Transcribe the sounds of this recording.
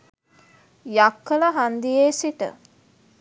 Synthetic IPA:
jakːələɦand̪ijeːsiʈə̰

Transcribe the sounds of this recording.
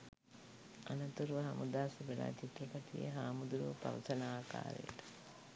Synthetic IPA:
anɐt̪uɾuʋəɦamʔud̪aːsibela̰ːt͡ʃit̪ːɐkat̪ijə̰ɦaːmud̪uɾuʋəpaʋɐt̪ənaːka̰ːɾḛjəʈə̥

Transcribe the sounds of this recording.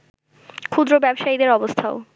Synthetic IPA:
kʰud̪ɾobɛbʃaid̪eɾɔbost̪ʰao

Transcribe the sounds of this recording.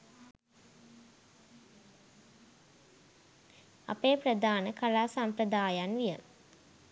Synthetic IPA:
a̰peːprəd̪aːnəkʰalaːsampɾəd̪aːjanʋijə

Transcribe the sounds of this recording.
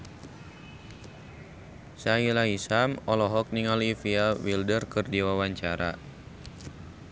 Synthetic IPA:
sailaisamɔlɔɦɔk̚niŋalifiawildərkɨrdiwawaɲt͡ʃaɾa̰

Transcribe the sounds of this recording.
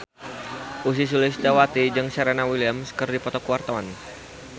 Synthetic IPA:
ʔus̬is̬ulɪsdawat̪id͡ʒɨŋsaɾanawiliamskɨrdipɔt̪ɔkuwart̪awan

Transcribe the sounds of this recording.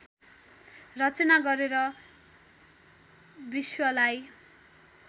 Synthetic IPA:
rʌt͡sʌnaɡʌɾeɾʌ | biswʌlaj

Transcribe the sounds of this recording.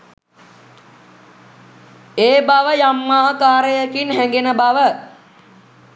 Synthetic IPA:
eːbaʋəjamːaːɦəkaːɾəjəkinɦæŋɡenəbaʋə

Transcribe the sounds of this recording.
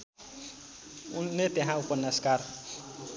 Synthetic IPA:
unet̪eɦãupɔnːaskar

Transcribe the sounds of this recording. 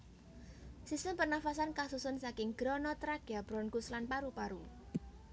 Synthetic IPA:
sist̪əmpərnafasankasusʊnsakɪŋɡ̥ɾɔnɔt̪ɾaɡ̥ab̥ɾɔnkuslanpaɾupaɾu

